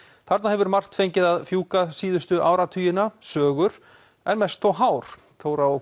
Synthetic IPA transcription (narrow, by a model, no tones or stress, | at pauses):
θaɾt̪nahɛvʏɾmar̥t̪fejɲcɪðaðfjuːkasiːðʏst̪ʏʔaːwɾat̪ʰyːjɪnasœːɣʏɾ̥ | ɛnmɛst̪θɔwɦaːwɾ̥ | θʰowɾao